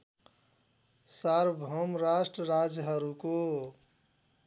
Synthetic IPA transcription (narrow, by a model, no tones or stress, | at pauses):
saɾbʱəmɾasʈɾəɾad͡ʒɦəɾuko